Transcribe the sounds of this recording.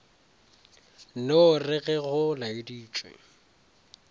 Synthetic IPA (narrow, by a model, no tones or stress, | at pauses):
noʊrɪɣɛɣʊlaɪdiːt͡ʃʼwḛ